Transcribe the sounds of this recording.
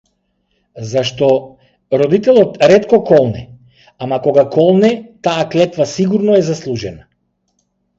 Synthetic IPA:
zaʃt̪ɔ | ɾɔd̪it̪ɛlˠɔt̪ɾɛt̪kɔkɔlˠnɛ | amakɔɡakɔlˠnɛt̪aːklɛt̪vasiɡuɾnɔɛzaslˠuʒɛna

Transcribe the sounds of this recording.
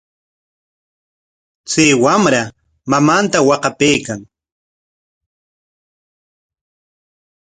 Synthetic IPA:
t͡sajwamɾa | mamant̪awɑqɑpejkaŋ

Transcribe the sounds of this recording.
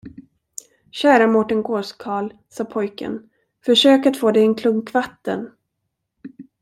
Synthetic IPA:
ɕæːɾamɔʈənɡoːʂkʰɑːlsɑːpʰɔjkə̰n | fœʂøːkat̪foːd̪ɛjɛnkʰlɵŋkvat̪ːə̰n

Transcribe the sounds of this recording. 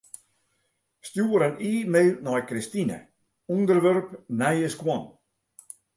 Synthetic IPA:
stjuːəɾəniːmeɥnɔjkɾistinə̰ | undərʋørpnɛjəskwɔn

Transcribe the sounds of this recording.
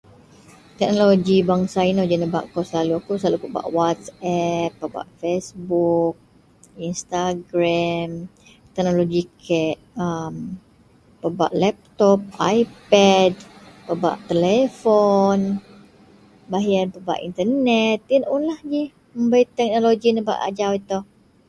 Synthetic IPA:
t̪ɛk̚noloɡibaŋsainod͡ʒənəba̰ʔkɔsəlaluakuslalupəba̰ʔwat̪sɛpːəba̰ʔfesbuk̚ | inst̪aɡɾam | t̪ɛk̚noloɡikʰɛʔəm | pəba̰ʔlɛp̚t̪ɔp̚ajpɛdpəba̰ʔt̪əlɛfɔn | baɦjanpəba̰ʔḭnt̪ərnɛt̪̚inunlahd͡ʒi | məmbait̪ɛk̚noloɡinəba̰ʔa̰d͡ʒawit̪ɔ

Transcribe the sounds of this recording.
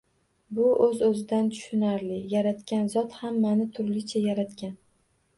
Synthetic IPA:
bʊʔɵzɵzɪd̪ant̪ʰʊ̥ʃʊnaɾlɪjaɾat̪kʲanzɒt̪hamːanɪt̪ʰʊɾlɪt͡ʃʰajaɾat̪kʲan

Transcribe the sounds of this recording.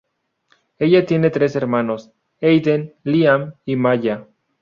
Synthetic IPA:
e̞ʝat̪je̞net̪ɾe̞seɾmãnos | ejd̪enliamimaʎa

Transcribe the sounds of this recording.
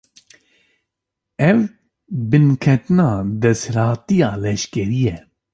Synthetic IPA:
ɛv | bɨnkʰɛt̪ɨnaːd̪ɛsɾɑːt̪ijɑːlɛʃkɛɾijɛ

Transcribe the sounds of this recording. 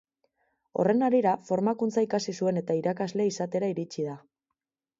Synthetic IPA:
o̞̰re̞naɾiɾafo̞ɾmakunt͡saikasisue̞ne̞t̪aiɾakazle̞isat̪e̞ɾaiɾit͡ʃiða

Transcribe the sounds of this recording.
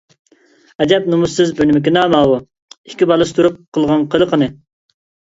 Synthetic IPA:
ɛd͡ʒɛp̚numusːɪzbynɪmɪkʲɪnɑːmɑːwu | ikʲibɑlˠɨst̪ʰuɾup̚qʰəlˠʁɑnqʰəlˠəqʰənɨ

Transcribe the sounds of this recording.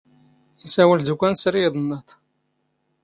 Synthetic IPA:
isæwəld̪ukʷːænsɾiðˤənːət̪

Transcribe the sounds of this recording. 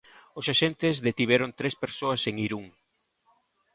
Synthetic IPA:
osaʃent̪ɪzðet̪iβ̞ɛɾont̪ɾespeɾsoaseŋiɾuŋ

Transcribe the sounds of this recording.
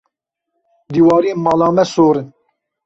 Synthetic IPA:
d̪iːwɑːɾiemɑːlɑːmɛsoːɾɨn

